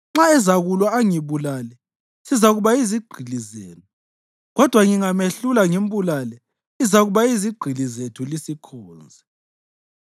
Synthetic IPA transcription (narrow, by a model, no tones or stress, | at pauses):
ŋ͡ǁaɛzaɣulwaaŋiβulalɛ | sizaɣuβaiziɡ͡ǃʱilizeːnu | ɣɔd̥ʱwaŋiŋameɬulaŋem̩βulalɛ | izaɣuβaiziɡ͡ǃʱilizetʰulisikʰɔːnd͡zʱɛ